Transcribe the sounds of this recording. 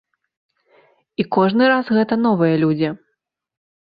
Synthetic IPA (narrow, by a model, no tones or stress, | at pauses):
ikɔʐnɨɾasɣɛt̪ɐnɔvɨjɐlʲud͡zʲi